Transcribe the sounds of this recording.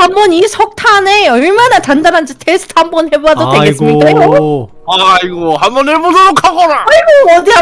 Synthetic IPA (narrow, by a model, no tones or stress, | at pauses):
hambʌnisʰʌk̚tʰaneʌɭmanatandanɦand͡ʑitʰes͈ʰɯ̥tʰambʌnhe̞boadodweɡes͈mɲik͈aɡo | aiɡoɦambʌneɭbosʰookʰaɡʌnaaiɡoʌdi